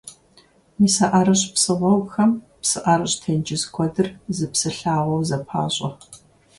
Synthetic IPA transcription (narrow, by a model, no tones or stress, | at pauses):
miːsɐʔaɾɐɕpsɨʁʷɔwxɐm | psɨʔaɾɨɕtʰɐnd͡ʒɪzkʷʰɔdɨrzɨpsɨɬaːʁʷɔwzɐpʰa̰ːɕʼɐ